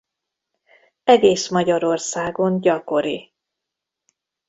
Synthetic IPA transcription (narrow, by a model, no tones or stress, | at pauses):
ɛɡeːsmɒɟɒɾo̞rsaːɡo̞nɟɒko̞ɾi